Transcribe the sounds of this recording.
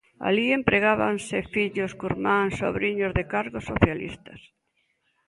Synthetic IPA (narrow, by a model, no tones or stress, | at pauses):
a̰liempɾeɣaβansɪfiʎʊskuɾmãnso̰βɾiɲʊzðɪkaɾɣosoθjalḭst̪ɐs